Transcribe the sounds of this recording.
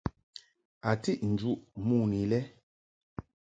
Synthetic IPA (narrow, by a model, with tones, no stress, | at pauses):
a˨ti˦ʔn̩˨d͡ʒu˦ʔmu˦˨ni˨lɛ˦